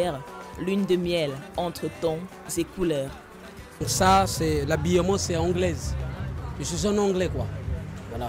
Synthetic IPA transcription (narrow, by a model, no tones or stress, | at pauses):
ɛʁlynd̪əmjɛlɑ̃t̪χət̪ɑ̃ | zekulœːʁ | puʁsasɛlabijɔmɔ̃sɛɑ̃ɡlɛz | ʒəsizɔ̃nɑ̃ɡlɛkwa